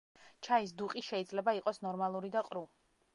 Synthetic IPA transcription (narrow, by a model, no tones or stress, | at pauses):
t͡ʃʰais̬d̪uqʼiʃɛid̪zlɛbaiqʼɔsnɔɾmalˠuɾid̪aqʼɾu